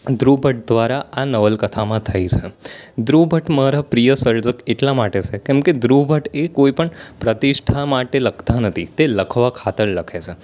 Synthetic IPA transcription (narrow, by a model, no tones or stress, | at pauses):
d̪ɾubʱəʈ̚d̪ʋaɾaanəʋəlkət̪ʰamãt̪ʰəit͡ʃʰed̪ɾubʱəʈməɦɾapɾijəsəɾd͡ʒəkeʈlamaʈet͡ʃʰekɛ̃mked̪ɾubʱəʈekoipəɳpɾət̪iʃʈʰamaʈeləkʰt̪anət̪ʰit̪eləkʰʋakʰat̪əɭləkʰet͡ʃʰe